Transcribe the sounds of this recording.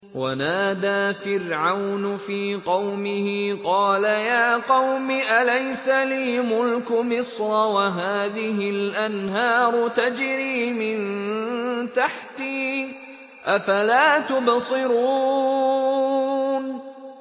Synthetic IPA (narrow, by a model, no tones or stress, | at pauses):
wʔa̰naːd̪aːfɪrʕawnʊfiːqɑwmɪhɪqɑːlajaːqɑwmɪʔalajsaliːmʊlkʊmɪsɾˤɑwaɦaːðɪɦɪlʔanɦɑːɾˤʊt̪ad͡ʒɾiːmɪn | t̪aħt̪iː | ʔafalaːt̪ʊbsˤɨɾuː | n